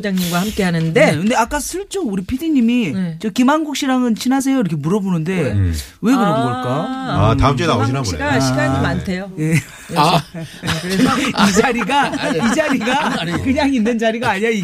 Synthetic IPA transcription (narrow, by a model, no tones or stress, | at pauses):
d͡ʑaŋɲimɡwahamk͈e̞ɦanɯnde̞kɯnde̞ak͈asʰɯɭt͡ɕ͈ouɾipʰidiɲimit͡ɕʌkimaŋɡok̚ɕ͈iɾaŋɯnt͡ɕʰinɦas̬ʰe̞joiɾʌkʰe̞muɾʌbonɯnde̞ | we̞kɯɾʌboɡʌɭk͈ajoa̰taɯt͡ɕ͈eainaɕɕʰiɡaɲimantʰejoje | kɯɾeʌid͡ʑaɾiɡaid͡ʑaɾiɡakɯɲaŋinːɯnd͡ʑaɾiɡaːɲai